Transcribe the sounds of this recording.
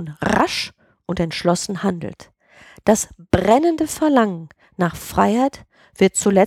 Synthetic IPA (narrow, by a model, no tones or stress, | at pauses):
nʁa̰ʃ | ʔʊntɛntʃlɔsn̩handl̩t | d̥asb̥ʁɛnəndəfɛɐlaŋən | naːχfʁ̥a̰ɪhaɪt | v̥ɪɐt̚t͡sulɛ